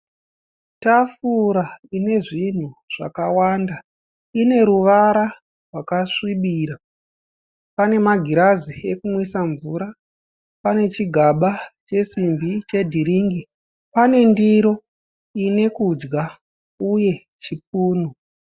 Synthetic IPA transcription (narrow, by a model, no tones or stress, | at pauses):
tafuɾaine̞ʐin̤uʐ̥a̰kawaːnda | ine̞ɾuʋaɾa | rwakaʂwiɓiːɾa | pane̞maɡʱiɾazie̞kumwisaɱvuɾa | pane̞t͡ʃiɡʱaɓat͡ʃe̞simbit͡ʃe̞dʱiɾiːŋɡi | pane̞ndiɾo | ine̞kud͡ʒɡa | uje̞ | t͡ʃip̚uːno